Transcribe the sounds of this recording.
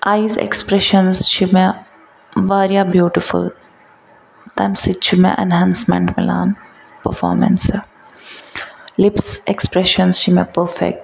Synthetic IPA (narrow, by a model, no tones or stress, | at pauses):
ʔajzḛkspɾɛʃənzʃime | ʋaːɾjabjuːʈifṵl | t̪amsit͡ʃʰimḛ̃ʔɛ̰̃nɦãnsmɛ̰̃ɳʈmɛ̰la̰ːn | pəɾfɔ̰ːɾmɛ̰̃ns | lɪpsɛkspɾɛʃənsʃimɛpəɾfɛ̰k̚ʈ